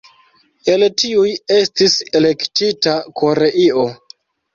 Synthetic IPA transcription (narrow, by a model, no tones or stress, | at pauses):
e̞ltiuje̞stise̞le̞ktitakʰo̞ɾe̞ʔio̞